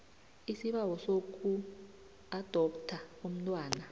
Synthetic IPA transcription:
isiɓawɔsok̬ʼu | ad̥ʱɔptʰaum̩ntʼwaːna

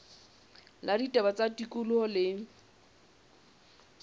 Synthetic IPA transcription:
laditʼɛbat͡sʼatikʼʊlʊɔlɪ

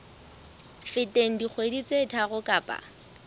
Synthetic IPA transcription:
fɪtʼeŋ̩dik͡xʰwedit͡sʼetʰaɣʊkʼaːpʼa̰

